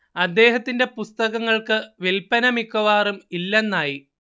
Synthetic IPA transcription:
ɐd̪ːe̞ːɦɐt̪ːinde̞pust̪ɐɣɐŋːɐɭkɨʋelpɐnɐmikːɐʋaːrumilːenːaːji

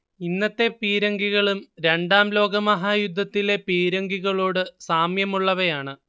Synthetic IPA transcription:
inːɐt̪ːe̞piːɾɐŋɡiɣɐɭumɾe̞ɳɖaːmlo̞ːɡɐmɐɦaːjud̪ʱːɐt̪ːile̞piːɾɐŋɡiɣɐɭo̞ːɽɨsaːmjɐmuɭːɐʋɐjaːɳɨ

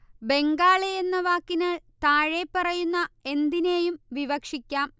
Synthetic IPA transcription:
be̞ŋɡaːɭejenːɐʋaːkːinɐɭt̪aːɻepːɐrɐjunːɐe̞nd̪ine̞ːjumʋiʋɐkʂikʲːaːm

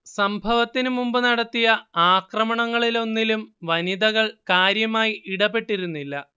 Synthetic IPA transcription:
sɐmbʱɐʋɐt̪ːinumumbɨnɐɽɐt̪ːijɐaːkrɐmɐɳɐŋːɐɭilo̞nːilumʋɐniðɐɣɐɭkaːɾjɐmaːjiiɽɐpːe̞ʈːiɾunːilːɐ

